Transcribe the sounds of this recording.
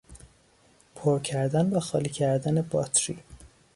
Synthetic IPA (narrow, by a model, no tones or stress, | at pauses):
pʰoɾcʰæɾd̪ænbæxɒːlicʰæɾd̪ænebɒːt̪ʰɾḭ